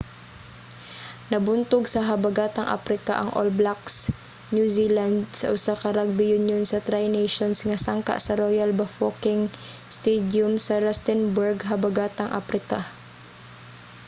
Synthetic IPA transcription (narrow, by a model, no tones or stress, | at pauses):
nɐbʊnt̪ʊɡsɐɦɐbɐɡaːt̪ɐŋʔa̰pɾɪka̰ʔɐ̰ŋʔo̰lblaks | njuziland̪̚sɐ̰ʔʊsakɐɾaɡ̚bɪjʊnjonsɐt̪ɾajnɛjʃonsŋɐsaŋka̰ʔsɐɾojalbafokɪŋ | st̪ɛd̪jʊmsɐɾɛst̪ɛnbɛɹɡɦɐbɐɡaːt̪ɐŋʔa̰pɾɪka